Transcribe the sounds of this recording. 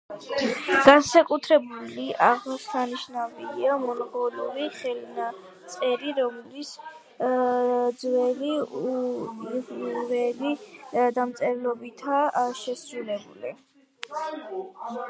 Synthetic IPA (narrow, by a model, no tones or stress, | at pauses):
ɡ̥ansakʼut̪ʰɾɛbuliʔaʁmɔst̪ʰaniʃnabiliamɔnɔɡɔluɾiχɛlna | t̪sʼɛɾiɾɔmlis | d̪zwɛliu | vɛlid̪amt̪sʼɛɾlɔbit̪ʰaʃɛsɾulɛbuli